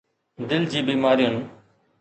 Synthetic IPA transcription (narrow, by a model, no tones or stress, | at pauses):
d̪ɪld͡ʑiːbiːmaːɾijʊn